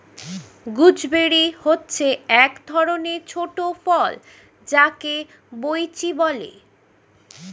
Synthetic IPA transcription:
ɡud͡ʑbeɽihotːɕʰeɛkd̪ʱɔɾoneɾt͡ɕʰoʈofɔl | d͡ʑake | bojt͡ɕibɔlḛ

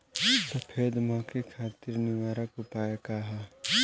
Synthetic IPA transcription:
sɐpʰeːd̪mãːkʰekʰaːt̪iɾnɪʋaːɾəkʊpaːjekaːɦa

